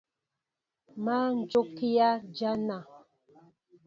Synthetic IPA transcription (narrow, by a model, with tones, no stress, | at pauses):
ma˦n̩˨d͡ʒo˦ki˦ja˦d͡ʒa˦na˨